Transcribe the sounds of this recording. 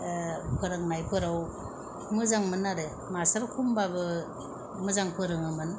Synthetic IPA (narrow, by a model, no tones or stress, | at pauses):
pʰɯɾɯŋnajpʰɯɾaw | mɯzaŋmɯnːaɾɯ | masaɾkʰumbabɯ | mɯzaŋpʰɯɾɯŋɯmɯn